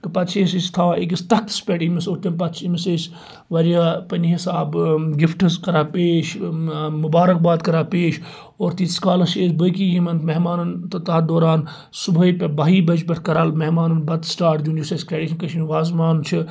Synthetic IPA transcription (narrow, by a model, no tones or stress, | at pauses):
kɨpɐt̪t͡ʃʰesist̪ʰaːik̬ist̪ɐkt̪spʲeʈimisot̪ʲːɐnpɐt̪t͡ʃʰimises | ʋɐɾʲjaːpɐniɦisaːbɡɪfʈɨzkɐɾaːpeːʃmubaːɾɐk̚baːd̪kɐɾaːpeːʃ | oːɾt̪iːskaːlɐseːsbɐk̬ijimɐnt̪mɐɦmaːnɐnt̪ɐt̪aːd̪oːɾaːn | subʱɐipʲɐbaːɦiːbɐt͡ʃbɐt̪ʰkɐɾɐlmeɦmaːnɐnbɐt̪sʈaːɾʈd̪junjusɐskɾeːɖiːʃʰɐnkɐʃʰiniʋaːzmaːnt͡ʃʰi